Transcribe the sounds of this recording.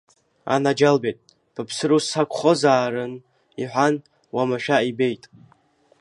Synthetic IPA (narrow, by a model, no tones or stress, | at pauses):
a̰nad͡ʒalbejtʼ | pʰapʰsɨɾusakʷʰχozaːɾɨn | iħʷᶣan | wamaʃᶣaibe̞jtʼ